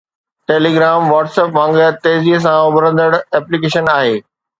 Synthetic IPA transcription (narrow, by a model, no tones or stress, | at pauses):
ʈeːliːɡɾaːmʋaːʈseːpmãːŋɡət̪eːziɦs̬ãʊbɾə̃nd̪əɽɛːplikeːʃənaːɦeː